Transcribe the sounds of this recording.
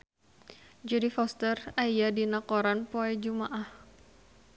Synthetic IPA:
d͡ʒadifɔst̪əraijadinakɔɾanpoɛd͡ʒumaʔah

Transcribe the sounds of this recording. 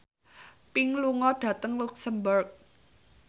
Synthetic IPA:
pɪŋluŋɔɖ̥ä̤t̪əŋluksəmbʊrk̚

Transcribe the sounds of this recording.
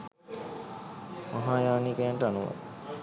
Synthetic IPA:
maɦaːjaːnikejaɳʈəanuʋa̰

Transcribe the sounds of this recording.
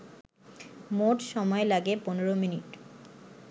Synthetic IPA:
moʈʃɔmɔelaɡeponeɾominiʈ

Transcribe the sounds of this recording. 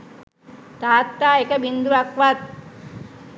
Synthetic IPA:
t̪aːt̪ːaːekəbind̪uʋakʋat̪̚

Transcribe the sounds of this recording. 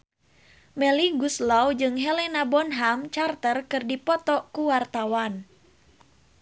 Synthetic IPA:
mɛliɡuslawd͡ʒɨŋɦɛlenabɔnɦamt͡ʃart̪ərkɨrdipɔt̪ɔkuwart̪awan

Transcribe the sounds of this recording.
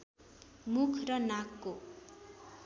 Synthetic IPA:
mukʰrʌnakːo

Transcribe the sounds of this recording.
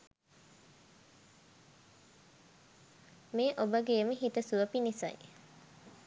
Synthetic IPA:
meːʔobəɡeːməɦit̪əsuʋəpinisa̰j

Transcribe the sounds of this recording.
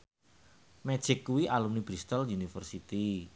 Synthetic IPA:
mɛ̥ʒ̥ɪkːuwiʔalumnib̥ɾist̪ɔljunifərsit̪i

